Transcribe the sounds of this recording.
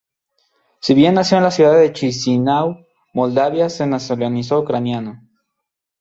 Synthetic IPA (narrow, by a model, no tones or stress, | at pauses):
siβje̞nːasjoenlasjuðaððet͡ʃisinaw | mo̞ld̪aβjasenasolonis̬oukɾanjano